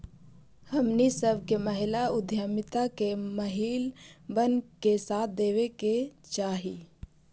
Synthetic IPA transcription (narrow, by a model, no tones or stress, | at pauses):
həmnisəbʱkeməɦɪlaʊd̪ʱjəmɪt̪akeməɦiːlbənkesaːt̪̚ʰd̪eːweket͡ʃaːɦi